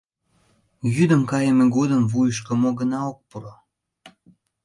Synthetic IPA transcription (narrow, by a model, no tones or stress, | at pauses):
jyd̪əmkɑjəmeɡod̪əmvujəʃ̬kə̆moɡənɑok̚puɾo